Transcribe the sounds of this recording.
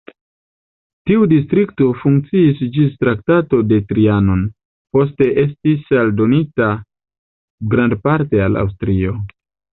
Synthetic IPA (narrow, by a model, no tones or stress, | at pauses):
tiudis̬tɾikto̞fuŋk̚t͡siisd͡ʒistɾak̚tato̞de̞tɾiano̞n | po̞s̬te̞ʔe̞stisaldo̞nita | ɡɾandpaɾte̞ala̰ws̬tɾio̞